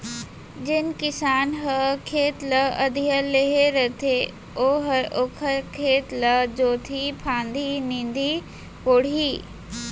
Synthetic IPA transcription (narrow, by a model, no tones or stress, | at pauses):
d͡ʒɪnkɪsaːnɦəkʰeːt̪ləəd̪ʱijəleɦeɾət̪ʰe | oːɦəoːkʰəɾkʰeːt̪ləd͡ʒoːt̪ʰipʰãːnd̪ʱinɪ̃nd̪i | koːɽ̤iː